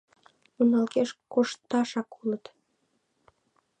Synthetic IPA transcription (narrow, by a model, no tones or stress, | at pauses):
unɑlkeʃkoʃt̪ːɑʃɑkulət̪